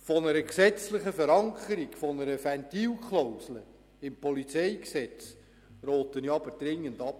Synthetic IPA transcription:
fɔnəɾəksɛt͡slɪχəfəɾɑŋkʰəɾiɡfɔnəɾəfæntiːwkχlowslə | ɪmpʰɔlit͡seɪksɛt͡s | roːtəniɑbəɾd̥ɾɪŋːəndɑp̚

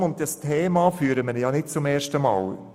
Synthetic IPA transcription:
ʊnt̚dɑstʰeːmɑfyːɾəməɾjɑːnɪt̚t͡sʊmeːʃtəmɑ̰ːl

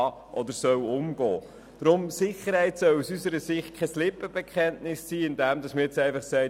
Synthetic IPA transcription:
ɑʔɔd̪əɾsœwʊmɡɔː | d̥ɾʊmsɪχəɾhɛɪtsœwusysəɾəsɪχkʰɛslɪpːəbɛkʰχɛntnɪsːiːɪndɛmdɑsməɛt͡sɛɪfɑχsɛɪ

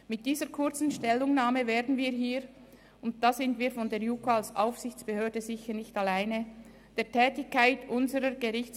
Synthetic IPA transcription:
mɪt̚d̥iːzəʁkʰʊʁt͡sn̩ʃtɛlːʊŋnaːməveːɐdn̩viːɾɦiːɾ | ʊnt̚d̥aːz̥ɪntviːɾfɔndeːɐɾjukoalsʔa̰ʊfsɪçt͡sb̥əhøːdəzɪçəʁnɪçtalaɪnə | d̥eːɐtʰɛːtɪçkaɪtʰʔʊnzəʁəɡəʁɪçt͡s

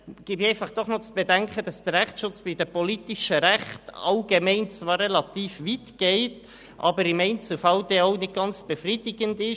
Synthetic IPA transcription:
ɡ̥ɪbɛɪfɑχd̥ɔχnɔt͡sb̥edɛŋkχəd̥ɑsd̥əɾɾɛχtʃʊt͡sb̥ɪd̥əpɔlitɪʃəɾæχtɑʊɡ̥emɛɪnt͡svɑːɾːɛlɑt̪iːfʋitɡ̥ɛɪt | ʔɑ̰bəɾɪmɛɪnt͡sufɑʊdɛoʊnɪd̚ɡ̥ɑnt͡sb̥efrid̥ɪɡəndɪʃ

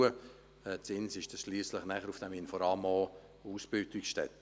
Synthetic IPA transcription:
ə | ɛt͡sɪnsɪʃd̥ɑsʃliːsləχnæχəɾufd̥æminfɔɾɑːmɔː | uːsbɪltikʃtɛ̰t

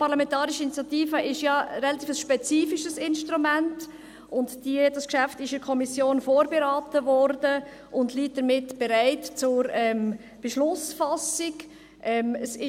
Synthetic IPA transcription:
pɑʁlamɛntɑːɾiʃəinit͡sjatiːfəʔɪʃjɑɾɛlɑt̪ʰiːfəsʃpɛt͡siːfiʃəsɪnʃtʁumænt | ʔʊntd̥id̥ɑskʃæftɪʃɪɾkʰɔmisjoːnfoːɾbeɾaːtəvɔɾdə | ʔʊndliːt̚d̥əɾmɪtb̥ɛɾaɪtt͡sʊɾɛm | b̥eʃlʊsfasɪk | ʔɛməsɪ

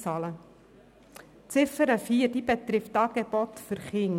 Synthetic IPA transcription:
t͡sɑːlə | t͡sɪfəɾəfiːəɾdiːbɛt̪ɾɪftɑːɡ̥ebɔtfʏɾχɪŋ

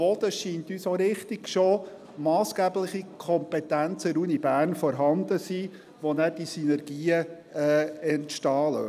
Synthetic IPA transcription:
ɔd̥̪əʃiːnt̪yːsoɾɪχt̪ɪɡ̥ʃo | mɑːsɡ̥æːblɪχikʰɔmpɛt̪ænt͡səɾunibæːrnfɔɾɦɑnd̪əsiː | ʋɔnæd̥isynɛɾɡ̥iːə | ɛɛntʃtɑːlə̰

